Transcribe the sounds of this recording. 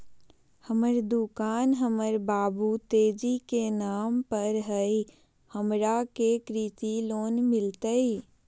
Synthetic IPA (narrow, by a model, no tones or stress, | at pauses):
həməɾd̪ukaːnɦəməɾbaːbut̪eːd͡ʒikenaːmpəɾɦəi | həmɾakekɾit̪iloːnmɪlt̪əi